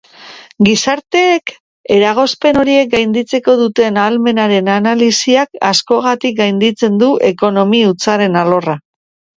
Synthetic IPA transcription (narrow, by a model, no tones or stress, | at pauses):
ɡisaɾt̪e̞ːk | e̞ɾaɣ̞o̞spe̞no̞ɾie̞k̚ɡajnd̪it͡se̞ko̞ðut̪e̞naːlme̞naɾe̞nanalisiakasko̞ɣ̞at̪ik̚ɡajnd̪it͡se̞nd̪uʔe̞ko̞no̞miut͡saɾe̞nalo̞ra